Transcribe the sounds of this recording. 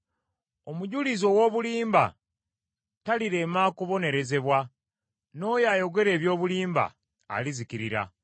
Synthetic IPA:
o̞muɟulizo̞wo̞ːβuliːmba̰ | taliɾe̞ːmaːkoβo̞ne̞ɾe̞ze̞βwa | no̞ːjaːjo̞ɡe̞ɾe̞ːβjo̞ːβuliːmba̰ː | lizikiɾiɾa̰

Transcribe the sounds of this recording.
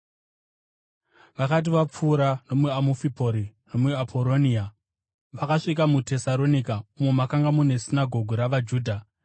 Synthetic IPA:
ʋakat̬iʋap͡fuːɾano̞muamufipo̞ɾino̞muapʰo̞ɾo̞nia | ʋakaʂikamute̞saɾo̞nikaumwemakaŋɡamune̞sinaɡʱo̞ɡʱuɾaʋad͡ʒuːdʱa

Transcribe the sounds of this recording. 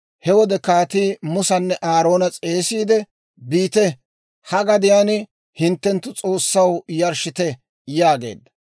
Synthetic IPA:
hɛwɔd̪ɛkaːt̪iːmʊsɐnːɛʔaːɾo̞ːnɐt͡sʼe̞ːsiːd̪ɛ | biːt̪ɛ | hɐɡɐd̪ɪjaːnɪ | hɪnt̪ːɛnt̪ːʊt͡sʼo̞ːsːɐwjɐɾʃɪt̪ɛ | jaːɡḛːd̪ːɐ̥

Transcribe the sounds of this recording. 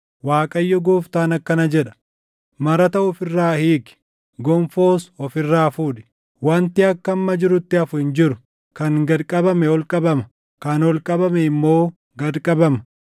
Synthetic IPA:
waːkʼɐjːɔɡoːft̪aːnɐkːɐnɐd͡ʒɛᶑɐ̥ | mɐɾɐt̪ɐʊfɪrːaːhiːkɪ̥ | ɡɔmfo̞ːsɔfɪrːaːfuːᶑɪ̥ | wɐnt̪ɪɐkːɐmːɐd͡ʒɪɾʊt̪ːɪɐfʊhɪnd͡ʒɪɾʊ | kɐŋɡɐd̪kʼɐbɐmɛɔlkʼɐbɐmɐ | kɐnɔlkʼɐbɐmɛɪmːo̞ː | ɡɐd̪kʼɐbɐmɐ̥

